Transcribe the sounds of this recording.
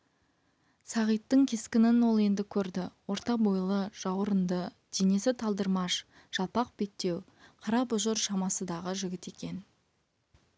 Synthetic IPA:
sɑʁijt̪ːəɴkʲʰe̞skʲɪnɪnwo̞lˠe̞nd̪ɪkʲʰɵɾd̪ɪwo̞ɾt̪ɑbojlˠəʒ̥ɑwɾənd̪ə | d̪̥ene̞sɪt̪ʰɑlˠd̪əɾmɑʃ | ʒ̥ɑlˠpɑq̚be̞k̚t̪ːe̞w | qʰɑɾɑpʊʒəɾʃɑmɑsəd̪ɑʁəʒʏɡʲɪt̪e̞kʲe̞n

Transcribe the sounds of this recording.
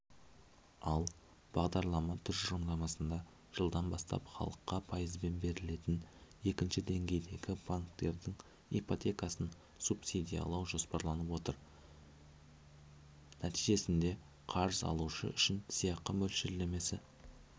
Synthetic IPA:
ɑlˠ | b̥ɑʁd̪ɑɾlˠɑmɑt̪ʰʏɾʒo̞md̪ɑmɑsənd̪ɑ | ʒ̥əlˠd̪ɑnbɑst̪ɑ̰pχɑ̰lˠəqːɑpʰɑjəzbe̞nbe̞ɾɪle̞t̪ɪne̞kʲɪnʃɪd̪e̞ŋɡʲe̞jd̪e̞ɡʲɪbaŋkt̪e̞ɾd̪ɪŋ | ipot̪ʲe̞kɑsən | supsid̪ʲijɑ̰lˠɑwʒo̞spɑɾlˠɑnəpwo̞t̪əɾ | næt̪ijʒe̞sɪnd̪e̞ | qʰɑɾzɑ̰lˠuʃə̰ʏʃɪnsijɑqːəmɵlʃɪɾleme̞sɪ

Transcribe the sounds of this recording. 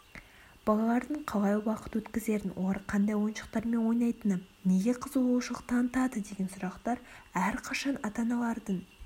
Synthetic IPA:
b̥ɑlˠɑlˠɑɾd̪əɴqʰɑlˠɑjwɑqə̥t̪wɵt̪kʲɪze̞ɾɪnwʔo̞̰lˠɑɾqʰɑnd̪ɑjwo̞jənʃə̥q̚t̪ɑɾme̞nwo̞jnɑjt̪ənəpne̞ɡʲe̞qʰəzəbolˠuʃəlˠəq̚t̪ʰɑnət̪ɑd̪əd̪e̞ɡʲe̞nsʊɾɑqt̪ɑɾæɾqʰɑʃɑnɑt̪ɑnɑlˠɑɾd̪əɴ

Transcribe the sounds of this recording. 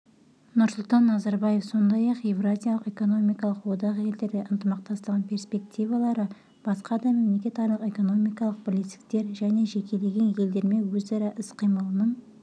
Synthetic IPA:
nʊɾsʊlˠt̪ɑnːɑzɑɾbaje̞fso̞nd̪ɑjɑqje̞vrazʲijalˠəqe̞ko̞no̞mijkɑlˠəqwo̞d̪ɑʁje̞ld̪e̞ɾɡ̪ʲeʔənt̪əmɑq̚t̪ɑst̪əʁɑnpʲʰe̞ɾspe̞kt̪ʲijvɑlˠɑɾə | b̥ɑsqɑd̪ɑme̞mle̞kʲe̞t̪ɑɾlˠəqe̞ko̞no̞mijkɑlˠəq̚bɪlet̪sɪ̥k̚t̪e̞ɾʒæne̞ʒe̞kʲʰe̞le̞ɡʲe̞nje̞ld̪e̞ɾme̞wɵzɑɾɑʔɪsqʰijmɑlˠənəɴ

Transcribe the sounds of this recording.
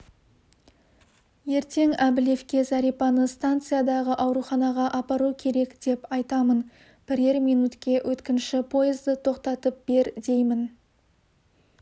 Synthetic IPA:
je̞ɾt̪e̞ŋæbɪle̞fkʲe̞zɑɾipɑnəst̪ant̪sɨjad̪ɑʁəʔɑwɾuχɑnɑʁɑʔɑpɑɾukʲʰe̞ɾe̞kd̪̥e̞pɑjt̪ɑmən | b̥ɪɾe̞ɾmijnut̪kʲe̞wʔɵt̪kʲɪnʃɪpʰo̞jɪzd̪ət̪ʰo̞qt̪ɑt̪əp̚b̥e̞ɾd̪e̞jmɪn

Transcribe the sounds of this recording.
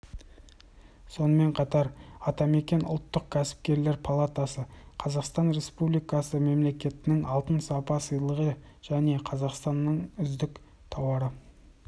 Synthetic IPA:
so̞nəme̞ɴqʰɑt̪ɑɾɑt̪ɑme̞kʲe̞nʊ̰lˠt̪ːəq̚kʲʰæsɪ̥p̚kʲe̞ɾle̞ɾpʰalˠat̪asəqʰɑzɑqst̪ɑnɾe̞spublijkɑsəme̞mle̞kʲe̞t̪ɪnɪŋɑlˠt̪ənsɑpɑsəjlˠəʁə | ʒ̥æne̞qʰɑzɑqst̪ɑnːəɴʏzd̪ɪk | t̪ʰɑwɑɾə

